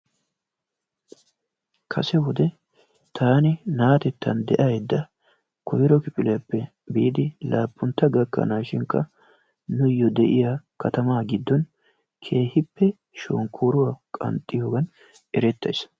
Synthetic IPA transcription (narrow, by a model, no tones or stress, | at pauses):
kʰɐ̰sɛwɔd̪ɛ | t̪ʰaːnɪnaːt̪ɛt̪ːɐnd̪ɛʔɐjd̪ːɐ | kʰɔjɪɾɔkɪpʼɪlɛjɐpːɛ | biːd̪ɪlaːpʼːʊnt̪ːɐɡɐkːɐ̰naːʃɪŋkːɐ | nʊjːɔd̪ɛʔɪjakɐt̪ɐmaːɡɪd̪ːɔn | kʰe̞ːhɪpːɛ | ʃo̰ːŋkʰːuːɾʊwɐkʼɐ̰nt̪ʼːɪjoːɡɐn | ɛɾɛt̪ːɐjs